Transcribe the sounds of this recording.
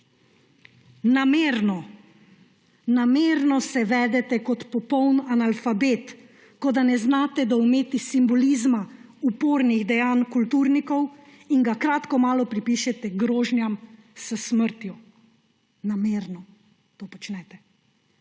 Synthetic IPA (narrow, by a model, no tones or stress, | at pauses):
nameːɾnɔ | nameːɾnɔsɛʋɛːd̪ɛt̪ɛkɔt̪pɔpɔwnanalfabeːt̪ | kɔd̪anɛznaːt̪ɛd̪aumeːt̪isimbɔlizmaupoːɾniɣd̪ɛjaːnkult̪uːɾnikɔw | iŋɡakɾaːt̪kɔmaːlɔpɾipiːʃɛt̪ɛɡɾoːʒnjam | səsməɾt̪ju | nameːɾnɔ | t̪oːpɔt͡ʃnɛt̪ɛ